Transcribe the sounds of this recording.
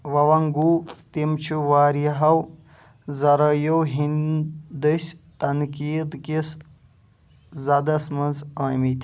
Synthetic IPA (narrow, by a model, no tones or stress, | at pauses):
ʋɐʋɐŋɡuːt̪imt͡ʃʰuʋaːɾjɐɦɐw | zɐɾɐjowɦind̪ɨsʲt̪ɐnkiːd̪kis | zɐd̪ɐsmɐnzaːjmit̪ʲ